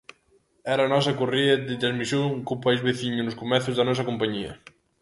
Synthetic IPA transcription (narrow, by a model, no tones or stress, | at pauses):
ɛɾɐnɔs̬ɐkoriɐd̪ɪt̪ɾazmisjoŋkopajzβeθiɲʊnʊskomɛθʊzðɐnɔs̬ɐkompaɲiɐ̰